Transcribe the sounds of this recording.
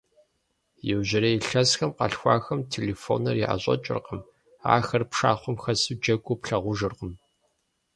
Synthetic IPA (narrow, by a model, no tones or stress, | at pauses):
jɛwʑɪɾɐjɪɬɐsxɐmqɐɬxʷɑ̰ːxɐmtʰeːlefo̰ːnɐrjiʔa̰ɕʼɐ̰t͡ʃʼɪ̰rqəm | a̰ːxɐrpʂaːχʷʊmxɐsɨd͡ʒɐɡʷʼʊpɬɐʁʷʊʒɨrqəm